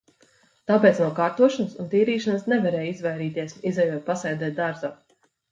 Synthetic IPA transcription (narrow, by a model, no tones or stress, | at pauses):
t̪aːpeːt̪snuɔwkaːɾt̪uɔʃanɨsunt̪iːɾiːʃansnɛvɛɾɛːjizvajɾiːt̪iɛsizɛjuɔt̪̚pasɛjd̪ɛːt̪̚d̪aɾzaː